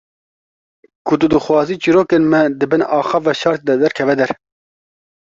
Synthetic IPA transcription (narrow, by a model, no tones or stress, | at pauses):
kʰʊt̪ud̪ɨxwɑːziːt͡ʃiɾoːkenmɛd̪ɨbɨnɑːxɑvɑʃɑɾt̪̚d̪ɛd̪ɛɾkʰɛvɛd̪ɛɾ